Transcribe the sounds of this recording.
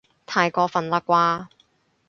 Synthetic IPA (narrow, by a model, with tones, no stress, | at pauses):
t̪ʰaː˨˧jkɔː˧fɐ˨˩nlɐ˧˥kʷaː˧˥